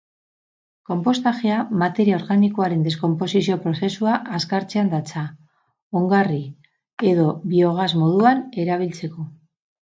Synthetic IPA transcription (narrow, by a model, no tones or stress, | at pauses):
ko̞mpo̞st̪axeamat̪e̞ɾiao̞ɾɣaniko̞aɾe̞nd̪e̞sko̞mpo̞sisio̞pɾo̞θe̞suaʔaskaɾt͡se̞and̪at͡sa | oŋɡari | e̞ðo̞βio̞ɣ̞azmo̞ðuane̞ɾaβ̞ilt͡se̞ko̞